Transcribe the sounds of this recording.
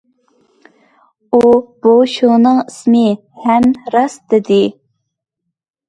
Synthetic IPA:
ub̥oʃʊʁnɨŋismɨ | hɛmɾɑsd̪ɪd̪ɪ

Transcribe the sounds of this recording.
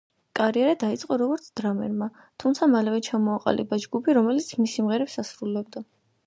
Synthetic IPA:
kʼaɾiɛɾad̪ait̪sʼqʼɔɾɔɡɔɾt̪sʰd̪ɾamɛ̰ɾma | t̪ʰumt̪sʰamalɛvɛt͡ʃʰamɔaqʼa̰lḭbad͡ʒɡupʰiɾɔmɛlit̪sʰmisimʁɛɾɛpsasɾulɛb̚d̪a

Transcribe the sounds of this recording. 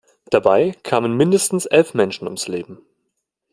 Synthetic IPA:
d̥abaɪkʰaːmənmɪndəstn̩sʔɛlfmɛnʃn̩ʊ̰msleːbm̩

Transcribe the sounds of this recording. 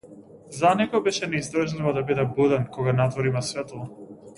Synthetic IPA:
zanɛɡɔbɛʃɛnɛizd̪r̩ʒlivɔd̪abid̪ɛbud̪ɛnkɔɡanat̪vɔɾimasvɛt̪lˠɔ

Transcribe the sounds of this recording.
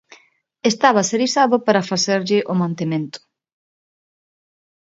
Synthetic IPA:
est̪aβaseɾisaðʊpaɾɐfaseɾʎɪʔomãnt̪emẽnt̪ʊ̥

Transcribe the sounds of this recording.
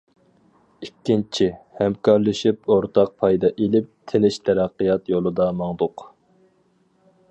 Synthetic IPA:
ikʲːint͡ʃʰihæmkʰɑɾlˠɨʃipoɾt̪ʰɑq̚pʰɑjd̪ɑʔelɪp̚t̪ʰɪnɪʃt̪ʰɛɾæqːijɑt̪jolˠɨd̪ɑmɑŋd̪ʊq

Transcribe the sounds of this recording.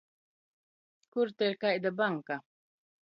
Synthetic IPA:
kuɾt̪eɾkaʔjd̪əbaŋka

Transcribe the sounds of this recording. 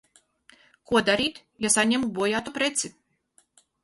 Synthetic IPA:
kuɔd̪aɾiːt̪ | jasaɲʲɛmubuɔjaːt̪upɾɛt̪si

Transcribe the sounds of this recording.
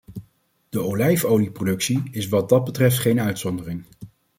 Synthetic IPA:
d̥əowlɛjfowliprodɵksiɪsʋɑd̚dɑd̚bətrɛftχejnœɥtsɔndərɪŋ

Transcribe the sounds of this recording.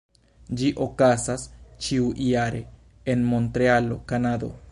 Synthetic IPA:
d͡ʒiʔo̞kasast͡ʃiuʔiaɾe̞ | enmo̞nt̪ɾealo̞̰kanad̪o̞̰

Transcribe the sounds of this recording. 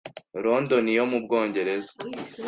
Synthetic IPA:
ɾondonijomubɡoːɲɟe̞ɾezḁ

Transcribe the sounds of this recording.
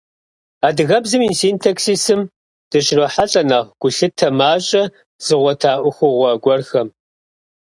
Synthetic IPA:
aːdɨɣɐbzɨmiːsiːntʰɐksiːsɨm | d̥ɨɕrɐħaɬʼɐnɐʁɡ̥ʷʊɬɨtʰɐmaːɕʼɐ | z̥ɨʁʷɔtʰaːʔʷʊxʷʊʁʷɔɡʷɔrxɐm

